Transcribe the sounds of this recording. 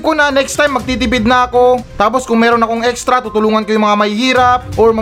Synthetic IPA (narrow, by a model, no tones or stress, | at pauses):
konɐnɛkst̪ajmːɐɡ̚t̪iːt̪ɪpɪd̪̚nɐɐko̞t̪aːpo̞skʊŋmɛːɾo̞nɐkoŋɛkst̪ɾɐt̪uːt̪ʊluːŋɐnkojʊŋmɐŋamɐhihiːɾɐp̚ʔoɹmɐ